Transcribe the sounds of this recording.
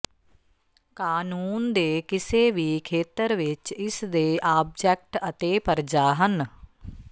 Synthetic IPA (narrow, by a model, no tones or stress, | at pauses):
kaːnuːnd̪eːkɪseːʋiːkʰeːt̪əɾʋɪt͡ʃɪsd̪eːʔaːb̚d͡ʒɛːk̚ʈət̪eːpəɾd͡ʒaːɦən